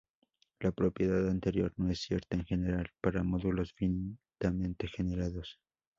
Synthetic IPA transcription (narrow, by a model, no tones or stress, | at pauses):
lapɾo̞pje̞ðaðant̪e̞ɾjo̞ɾno̞e̞sːje̞ɾt̪aeŋxe̞ne̞ɾalpaɾamo̞ðulo̞sfinit̪amẽ̞nt̪e̞xe̞ne̞ɾaðo̞s